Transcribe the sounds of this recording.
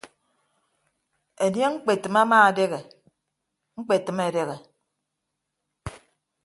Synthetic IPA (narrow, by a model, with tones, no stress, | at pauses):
e˨nje˦ŋ̩˦k͡pe˨tɨ˨ma˦maː˦a˨de˦ɣe˨ | ŋ͡m̩˦k͡pe˨tɨ˨me˨de˦ɣe˨